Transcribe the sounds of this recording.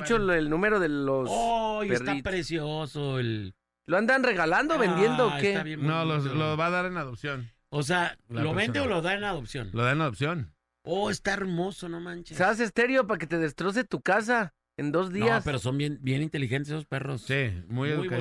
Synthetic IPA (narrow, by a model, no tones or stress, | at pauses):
t͡ʃoelnũme̞ɾoðe̞losoperait̪pɾesjosoel | loand̪anre̞ɣaland̪oβe̞nd̪je̞ndd̪okeaβjenololoβaðaɾenaðopsjon | os̬ealoβend̪eoloðaenaðopsjonloðaenaðopsjo̞n | oest̪aeɾmosonomant͡ʃesas̬est̪e̞ɾjo̞pak̬e̞t̪e̞ðe̞st̪ɾo̞s̬e̞t̪ukas̬a | end̪o̞zðiaspeɾosombenbjenint̪e̞lixent̪esesosperossimujeðu